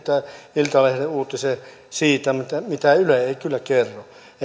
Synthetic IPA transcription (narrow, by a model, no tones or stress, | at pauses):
t̪æilt̪ɑlehreuːt̪ːise | siːt̪æmut̪ːæmit̪æyleeikylːækerːo | e